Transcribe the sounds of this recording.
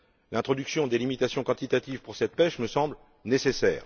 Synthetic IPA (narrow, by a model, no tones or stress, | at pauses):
lɛ̃t̪χɔd̪yksjɔ̃d̪elimit̪asjɔ̃kɑ̃t̪it̪at̪ivpuʁsɛt̪̚pɛʃməsɑ̃bl | nesesɛːʁ